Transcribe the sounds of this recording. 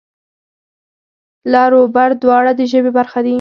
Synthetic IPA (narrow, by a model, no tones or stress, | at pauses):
lɑɾobaɾd̪wɑɽad̪əʒəbebaɾxad̪i